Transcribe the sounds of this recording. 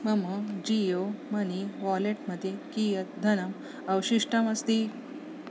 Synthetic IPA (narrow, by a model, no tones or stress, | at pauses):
məməd͡ʑijoməniʋɔleʈməd̪ʱːjekijət̪̚d̪ʱənəm | əwɕiʂʈəməst̪iː